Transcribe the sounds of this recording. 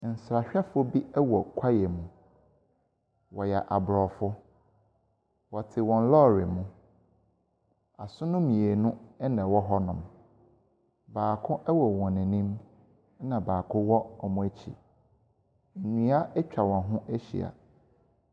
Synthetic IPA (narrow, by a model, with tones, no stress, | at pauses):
n̩˨sɾa˨ɕᶣɛ˦fʊ˦bi˦ɛ˦wɔ˨kʷʰa˦jɛ˨mʊ̃˨ | wɔ˨jɛ˨ʔa˨bɾɔ˨fʊ˦ | wɔ˨tʰɪ˨wɔ̃˨n˦lɔ˦˨ɾɪ̰˨mʊ̃˦ | a˨sʊ̃˦nʊ̃˦mĩ˨e˨nʊ̃˦ɛ˦nɛ̃˨wɔ˦ɦɔ˦nʊ̃˨m | baː˨kʰʊ̃˦ʔɛ˦wɔ˨wɔ̃˨nɛ̃˨nĩ˦m˦ | nã˨baː˨kʰʊ̃˦wɔ˦ɔ˨mũ˨˦æ˦t͡ɕʰḭ˨ | n̩˨nĩ˦a˦ʔɛ˦t͡ɕᶣa˨wɔ̃˨nɦʊ̃˦ʔæ˦ɕḭ˨a̰˨